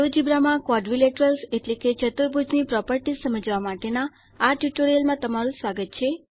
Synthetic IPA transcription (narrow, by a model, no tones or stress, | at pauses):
ʋəd͡ʒibɾamãkʋɔɖʋileʈəɾəlseʈleket͡ʃət̪uɾbʱud͡ʒnipɾɔpəɾʈisəməd͡ʒʋamaʈenaː | ʈjuʈoɾijəlmãt̪əmaɾũsʋaɡət̪̚t͡ʃʰe